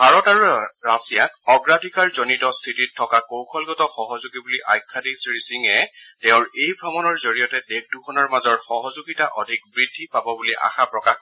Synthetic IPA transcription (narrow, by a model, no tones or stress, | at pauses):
bʱaɹɔtaɹuɹasijakɔɡɹadʱikaɹzonitɔstʰititʰːɔkakowkʰɔlɡɔtɔxɔɦɔzuɡibuliʔa̰jkʰːadisɹisiŋɛtɛʊ̃ɹejbʱɹɔmɔnɔɹzoɹijɔtɛdek̚duxʰɔnɔɹmazɔɹxɔɦɔzuɡitaʔɔdʱik̚bɹidʱːipabɔbuliʔa̰xapɹɔkax